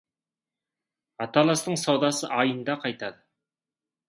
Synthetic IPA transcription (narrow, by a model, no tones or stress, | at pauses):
ɑt̪ɑlˠɑst̪əɴsɑwd̪ɑsəʔɑjənd̪ɑqʰɑjt̪ɑd̪ə